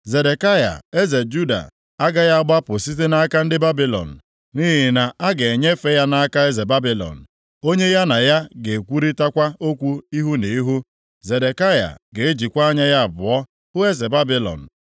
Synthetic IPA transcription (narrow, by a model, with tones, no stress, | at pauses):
ze˨de˨ka˦ja̰˨e˦ze˨d͡ʒu˦da̰˨ | a˦ɡa˦ja˦a˦ɡ͡ba˦pʊ˨si˦te˦na˦a˦ka˦n̩˦dɪ˦ba˦bi˦lɔ̰˨n̩˨ | ni˦ɦi˨na˨ʔa˦ɡe˨e˨ɲe˦fe˦ja˦na˦a˦ka˦e˦ze˨ba˦bi˦lɔ̰˨n̩˨ | o˦ɲe˦ja˦na˨ja˦ɡe˨kʷu˦ɾi˦ta˦kʷa˦o˦kʷu˦i˦ɦu˦ne˨i˦ɦu˦ | ze˨de˨ka˦ja̰˨ɡe˨e˦d͡ʒi˨kʷa˦ɲa˦ja˦˨bʊ˨ɔ˦ | hʊ˦e˦ze˨ba˦bi˦lɔ̰˨n̩˨